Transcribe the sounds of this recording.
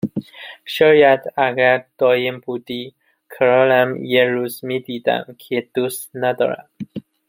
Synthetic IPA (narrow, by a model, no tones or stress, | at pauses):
ʃɒːjæd̪æɡæɾd̪̥ɒːjembud̪i | kʰɒɾɒlæmjeɾuːzmid̪id̪æ̰mkʰed̪ust̪næd̪ɒ̰ɾæ̰d̪̥